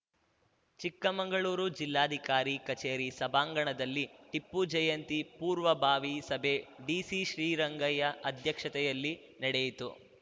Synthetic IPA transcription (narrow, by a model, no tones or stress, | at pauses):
t͡ʃikːɐmɐŋɡɐɭuːɾud͡ʒilːaːd̪ʱikaːɾikɐt͡ʃeːɾisɐbaːŋɡɐɳɐd̪ɐlːiʈipːud͡ʒɐjɐnt̪ipuːɾʋɐbʱaːʋisɐbʱeːɖiːsiʃɾiːɾɐŋɡɐjɐʔɐd̪ʱjɐkʂɐt̪ɛjɐlːi | nɐɽejit̪u